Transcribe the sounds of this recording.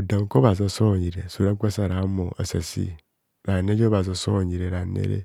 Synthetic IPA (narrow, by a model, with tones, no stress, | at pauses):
u˨da˨ŋ˦ko˦ba˨za˦so˦˨ɲi˨ɾe˨su˨ɾa˦ɡʷa˦sa˦˨ɾa˨˦mo˨a̰˨sa̰˨sḭ˦ | ɾa˨ne˦d͡ʒo˦ba˨za˨˦so˦˨ɲi˨ɾe˨ɾa˨nḛ˦ɾḛ˦